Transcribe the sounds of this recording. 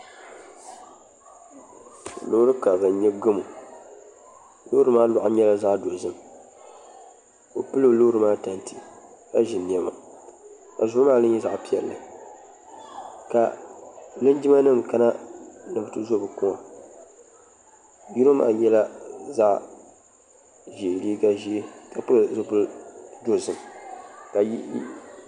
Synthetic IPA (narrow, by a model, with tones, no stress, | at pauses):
lo˨˦ɾɨ˦ka˨bɨ˨n˦ɲɛ˦ɡɨ˦mu˨ | lo˦ɾɨ˦maː˦lʊ˨ʔa˦ɲɛ˦la˦za˦ʔdo˨zɨ˦m˨ | o˨pɨ˦lo˨lo˦ɾɨ˦maː˦ta˨nti˨ka˦ʒɪ˨ni˨ɛ˦ma̰˨ | ka˨zʊ˦maː˦˨lɨ˦ɲ˦ɛ˦za˨ʔpi˦ɛ̰˨lːɨ̰˨ | ka̰˨ | lɨ˦nd͡ʒɪ˦ma˦nɨ˦mka˦na˦nɨ˨bɨ˨˦tɨ˦zo˦bɨ˨kʊ˦ŋa˨ | ju˦ɾo˦ma̰ː˨˦˨ɲɛ˦la˦za˦ʔ | ʒi˨li˦ɡa˦ʒi˦ka˨pɨ˦˨zɨ˦pʊ˦ldo˦zɨ˨mka˨j